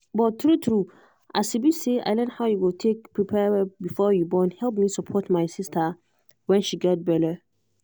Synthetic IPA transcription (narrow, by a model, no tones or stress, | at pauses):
bɔtʰɾutʰɾu | ʔa̰sibisea̰ɪlɛ̃nhaʊjuɡotʰek̚pʰɹipʰɛbifɔjubɔ̃nhɛlp̚mĩsəpʰɔtmaɪsɪstʰa | wɛ̃nʃiɡɛt̚bɛɾə